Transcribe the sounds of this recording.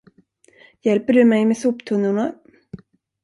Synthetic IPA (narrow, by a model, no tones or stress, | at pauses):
jɛlpəɖɵmɛjmesuːpt̪ʰɵnːʊɳa